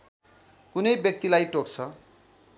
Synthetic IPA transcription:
kunʌjbjʌk̚t̪ilajʈok̚t͡sʰʌ

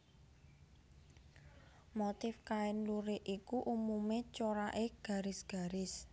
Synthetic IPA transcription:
mot̪ɪfkaɪnluɾeʔʔikuʔumumet͡ʃoɾaʔeɡ̥a̤ɾɪsɡ̥a̤ɾɪs

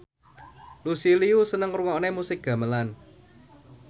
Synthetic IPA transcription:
lusiliusənəŋruŋɔnemusɪk̚ɡ̥ä̤məlan

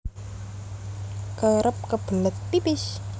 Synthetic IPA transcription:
kəɾʔəp̚kəb̥ələt̪̚pipɪs

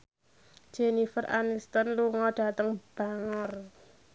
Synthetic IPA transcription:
d͡ʒ̥enifərʔa̰nist̪ɔnluŋɔɖ̥a̤t̪əŋb̥aŋər

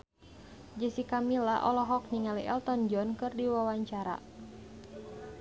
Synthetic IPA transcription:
d͡ʒəsikamilaʔɔlɔɦɔk̚niŋaliʔɛlt̪ɔnd͡ʒɔnkɨrdiwawaɲt͡ʃaɾa̰

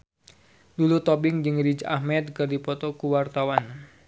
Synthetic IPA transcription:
dulut̪ɔbɪŋd͡ʒɨŋrid͡ʒahmɛt̪̚kɨrdipɔt̪ɔkuwart̪awan

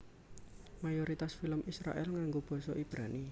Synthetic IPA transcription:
majoɾit̪asfiləmʔisɾa̰ʔɛlŋaŋɡob̥ɔ̤sɔʔib̥ɾani

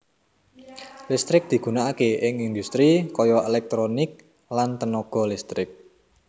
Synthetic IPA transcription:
list̪ɾɪk̚d̪̥i̤ɡ̥ṳnaːkeʔɪŋind̪ust̪ɾikɔjɔelɛk̚t̪ɾonɪk̚ | lant̪ənɔɡ̥ɔ̤list̪ɾɪk̚

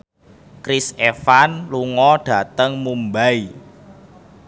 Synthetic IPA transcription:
kɾisefanluŋɔɖ̥ä̤t̪əŋmumbai

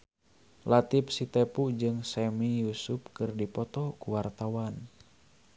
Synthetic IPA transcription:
lat̪ip̚sit̪ɛpud͡ʒɨŋsɛmijusup̚kɨrdipɔt̪ɔkuwart̪awan

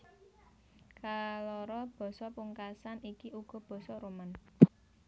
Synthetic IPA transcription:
kalɔɾɔb̥ɔ̤sɔpuŋkasanikiʔuɡ̥ɔ̤b̥ɔ̤sɔɾuman

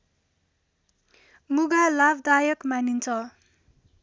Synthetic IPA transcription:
muɡalabʱd̪ajʌkmanint͡sʰʌ

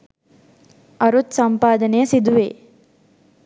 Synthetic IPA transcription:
ɐɾut̪sɐmpaːd̪ɐnejəsid̪uʋḛː

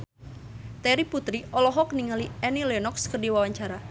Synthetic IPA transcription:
t̪ɛɾiput̪ɾiʔɔlɔɦɔkniŋaliɛnilenɔkskərdiwawaɲt͡ʃaɾa

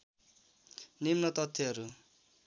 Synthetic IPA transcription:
nimnʌt̪ʌt̪ʰːeɦʌɾu

